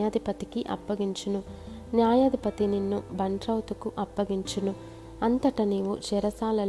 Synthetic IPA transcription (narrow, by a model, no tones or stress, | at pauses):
ad̪ipɐt̪ikiʔɐ̰pːɐɡiɲt͡ʃɐnunjaːjaːd̪ipɐt̪ininːubɐɳʈɾɐwt̪ukuʔɐpːɐɡiɲt͡ʃinu | ɐnt̪ɐʈɐniːʋut͡ʃɛɾɐsaːlɐl